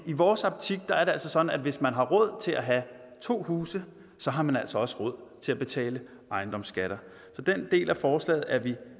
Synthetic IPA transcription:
iʋɒːsɑ̈bt͡sʰiɡ̥̚d̥ɑ̈æɐɾeæl̰sɒ̽sɒ̽d̥n̩æd̥ʋe̝smænɦɑ̈ʁɔ̽ð̞̰ˠt͡sʰe̝lʔæɦæ | t͡sʰo̝̰ːhuːsə | sɒ̽ɦɑ̈mænæl̰sɒ̽ɒ̽səʁɔð̞̰ˠt͡sʰe̝læb̥e̝t͡sʰɛ̰ːlə | ʔɑ̈ɪnd̥ɒ̽msɡ̥æɾ̥ɐ | sɒ̽d̥end̥e̝̰ːlʔæfɒːslɛ̰ːð̩ˠæɐʋi

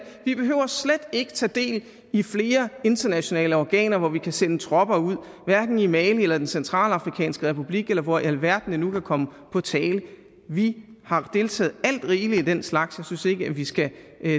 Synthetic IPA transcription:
ʋib̥e̝ɦøʊ̰ɐsled̥e̝ɡ̥ət͡sʰɛ̰ːd̥e̝̰ːl | ifle̝ːɐe̝nd̥ɐnæɕo̝nɛ̰ːləɒɡ̥ɛ̰ːnɐʋɒʋikʰæsenət͡sʰʁɒ̽b̥ɐuð̰ˠ | ʋæɐɡ̥n̩imɛːlielɐd̥ensent͡sʰʁɑ̰̈ːlɑ̈fʁikʰɛ̰ːnsɡ̥əʁɛpʰub̥liɡ̥elɐʋɒʔælʋæɐ̰d̥nənukʰækʰɒ̽məpʰɒ̽t͡sʰɛːlə | ʋihɑ̈d̥e̝lt͡sʰɛ̰ːð̩ˠæl̰d̥ʁiːliid̥enslɑ̈ɡ̥sjɑ̈ɪsynse̝ɡ̥əæʋisɡ̥æ

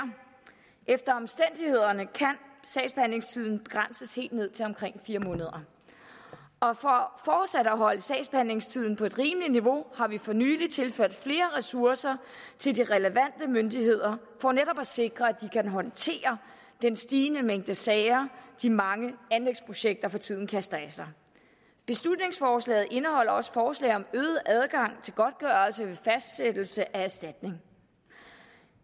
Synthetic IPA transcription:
ʔefd̥ɐɒ̽msd̥en̰d̥ihe̝ð̞̰ˠɐnəkʰænsɛːɪsb̥ehæn̰le̝ŋst͡sʰið̰ˠn̩b̥e̝ɡ̥ʁan̰səshe̝̰ːld̥ne̝ð̞̰ˠt͡sʰe̝ɒ̽mkʰʁeŋ̰fiːɐmɔ̽ːnəð̞ˠɐ | ɒ̽fɒfɒːd̥sæɾəæɦɒ̽ləsɛɪsb̥ehæn̰le̝ŋst͡sʰið̰ˠn̩pʰɒ̽e̝d̥ʁiːmliniʋo̝hɑ̈ʋifɒ̽ny̰ːlit͡sʰe̝lføɐ̰d̥fle̝ːɐʁɛsuɐsɐ | t͡sʰe̝ldiʁɛləʋæn̰d̥əmønd̥iɦe̝ð̞̰ˠɐ | fɒneɾɒ̽b̥æse̝ɡ̥ʁɐæd̥ikʰænɦɒ̽nt͡sʰe̝̰ːɐ | d̥ensd̥iːnəmeŋ̰d̥əsɛːɪɐd̥imɑ̈ŋəænleɡ̥spʰʁo̝ɕeɡ̥̚d̥ɐfɒ̽t͡sʰið̰ˠn̩kʰæsd̥ɐæsɑɪ | b̥e̝slud̥ne̝ŋsfɒːslɛ̰ːð̩ˠʔe̝nəhɒ̽l̰ɐɒ̽sfɒːslɛ̰ɪɒ̽møːð̞̩ˠʔæð̞ˠɡ̥ɑ̈ŋ̰t͡sʰe̝lɡ̥ɒ̽d̥̚ɡ̥ɶːɐlsəʋe̝fæsd̥sed̥l̩səʔææsd̥æd̥ne̝ŋ

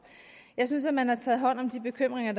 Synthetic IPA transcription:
jɑ̈ɪs̬ynsæmænhɑ̈t͡sʰɛːð̞̩ˠɦɒ̽n̰ɒ̽md̥ib̥e̝kʰøm̰ʁeŋɐd̥

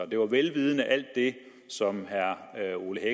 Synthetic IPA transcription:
d̥e̝ʋɑ̈ʋelʋiːð̞ˠənəʔæl̰d̥ːe̝ | sɒ̽mɦæɐo̝ləhe

